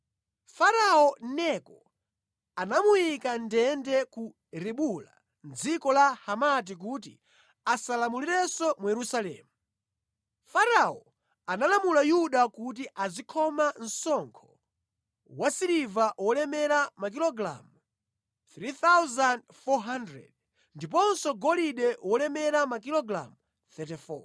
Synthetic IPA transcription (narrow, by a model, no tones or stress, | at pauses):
faɾaɔnɛkɔ | anamujikandɛndɛku | ɾiɓula̰ | nd͡zikɔlahamat̬ik̬ut̬ḭ | asalamuliɾɛsɔmujɛɾusalɛ̰ːmu | faɾaɔ | analamulajuɗakut̬iʔazikʰɔman̩sɔŋkʰɔ̥ | wasiɾivawɔlɛmɛɾamak̬ilɔɡɾa̰mu | θɾiθawzand | fɔɦandɾɛ̰d̚ | ndip̬ɔnsɔɡɔliɗɛwɔlɛmɛɾamakilɔɡɾa̰mu | θɛt̬ifɔ̰